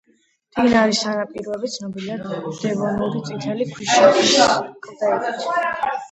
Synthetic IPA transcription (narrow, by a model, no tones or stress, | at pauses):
d̪̥inaɾisanapʼiɾɔɛbit̪sʰnɔbilad̪d̪̥ɛvɔnuɾit̪sʼit̪ʰɛlikʰwisʃɛd̪iʃʼd̪aɛt̪ʼɔt̪ʰ